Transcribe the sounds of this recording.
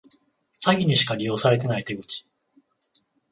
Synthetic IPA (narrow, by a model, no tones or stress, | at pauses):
saɡʲiɲ̟iɕi̥kaɾʲijo̞ːsaɾe̞t̪̬e̞nait̪e̞ɡɯ̟t͡ɕi̥